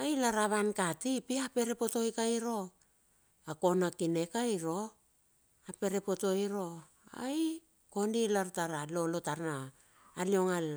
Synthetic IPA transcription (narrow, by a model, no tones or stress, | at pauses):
ajlaɾaβankatipiape̞ɾe̞po̞to̞jkajɾo̞ | ako̞nakine̞kajɾo̞ | ape̞ɾe̞po̞to̞jɾo̞ | a̰j | ko̞ndilaɾtaɾalolo̞taɾnaː | lio̞ŋal